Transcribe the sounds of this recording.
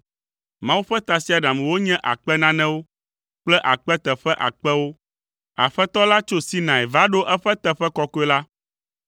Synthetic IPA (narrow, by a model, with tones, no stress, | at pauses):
mã˦wu˦ɸɛ˦t̪a˨si˦a˨ɖã˨m˨wo˦ɲɛ̃˦ʔa̰˨k͡pɛ˦nã˦nɛ̃˦wo˦ | k͡plɛ˦ʔa˨k͡pɛ˦t̪ɛ˨ɸɛ˦ʔa̰˨k͡pɛ˦wo˦ | a̰˨ɸɛ˦t̪ɔ˦la˦t͡ʃo˦si˦nã˨ɛ˨va˦ɖo˦ʔɛ˦ɸɛ˦t̪ɛ˨ɸɛ˦kɔ˦kɔ˦ɛ˦la˦